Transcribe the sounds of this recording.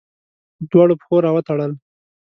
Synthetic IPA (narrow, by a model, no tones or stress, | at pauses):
d̪wɑɽopxoɾɑwət̪aɽəl